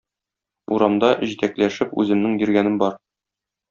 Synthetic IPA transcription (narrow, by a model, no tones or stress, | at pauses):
uɾɑmd̪ɑʑit̪æklæʃɘpʉ̰zɘ̆mnɘŋbĭɾɡænɘmbɒɾ